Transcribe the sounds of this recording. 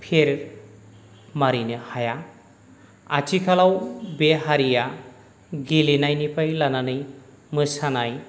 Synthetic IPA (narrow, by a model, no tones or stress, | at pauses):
pʰeɾ | maɾinɯhaja | a̰t͡ʃikʰalawbeɦaɾija | ɡilinajnipʰajlananɯj | mɯsanaj